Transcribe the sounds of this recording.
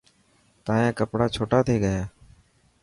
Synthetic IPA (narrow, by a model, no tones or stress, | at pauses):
t̪ãːjãːkəpɽaːt͡ʃʰoːʈaːt̪ʰeːɡəjaː